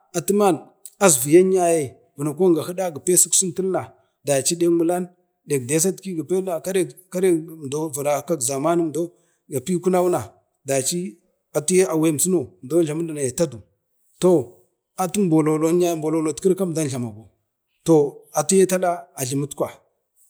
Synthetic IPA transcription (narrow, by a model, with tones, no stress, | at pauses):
a˨tu˦ma˦n | a˨zvi˨ja˦n˦a˦je˨ | vu˨na˨k̬ʷo˦ŋɡa˨hi˦da˦ɡa˨pe˦su˦ksu˦nti˦lna˨ | da˨t͡ʃi˦de˦mu˦la˦n | de˨kde˦s̬a˦tki˦ɡa˨pe˦a˨ka˦ɾe˦ka˦ɾe˦˨m˨do˦vu˨ɾa˨˦ka˦kza˨ma˦n˦m˨do˦ | ɡa˨pi˦ku˦na˦wu˦na˨ | da˨t͡ʃi˦ | a˨tu˦je˦a˨we˦m˨si˦no˨m˨do˦ɮa˨mu˦da˨na˨je˨ta˦du˨ | to˨ | a˨tu˦bo˨lo˨lo˨n˦a˦jmbo˨lo˨lo˨tki˦ɾka˦m˨da˦n˨ɮa˨ma˨ɡo˨ | to˨a˨tu˦je˦ta˦la˦a˨ɮi˨mu˦tkʷa˨